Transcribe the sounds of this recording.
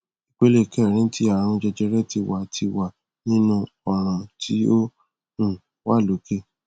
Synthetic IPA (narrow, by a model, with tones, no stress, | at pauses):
i˨k͡pe˨˦le˦˨kɛ˦˨ɾ̃ĩ˨˦tʰi˦a˨ɾã˧ũ˧˦d͡ʒɛ˧d͡ʒɛ˧ɾɛ˦ti˧wa˨tʰi˧wa˨ | nĩ˦nũ˧ | ɔ˨ɾ̃ã˨tʰi˦o˦ | ũ˦˨ | wa˦˨lo˨˦ke˦˨